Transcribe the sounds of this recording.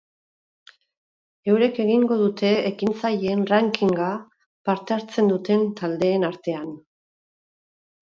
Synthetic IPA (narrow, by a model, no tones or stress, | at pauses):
e̞wɾe̞ke̞ɣiŋɡo̞ð̞ut̪e̞ːkint͡sajenraŋkiŋɡa | paɾt̪e̞aɾt͡se̞nd̪ut̪e̞nt̪ald̪e̞ːnaɾt̪e̞an